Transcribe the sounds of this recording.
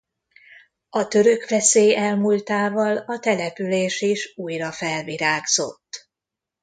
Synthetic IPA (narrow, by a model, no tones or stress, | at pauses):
ɒt̪ø̞ɾø̞kʋɛseːjɛlmult̪aːvɒlɒt̪ɛlɛpyleːʃiʃuːjrɒfɛlviɾaːɡz̥o̞̰t̪ː